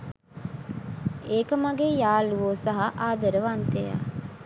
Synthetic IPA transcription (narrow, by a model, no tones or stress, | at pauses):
eːkəmaɡejaːluʋoːsaɦaʔaːd̪əɾəʋant̪eja̰